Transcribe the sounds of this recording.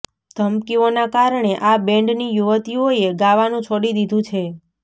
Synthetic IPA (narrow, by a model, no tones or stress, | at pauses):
d̪̥ʱəmkionakaɾɳ̃eʔabẽɳɖnijuʋət̪ioeɡaʋanũt͡ʃʰoɽid̪id̪ʱũt͡ʃʰe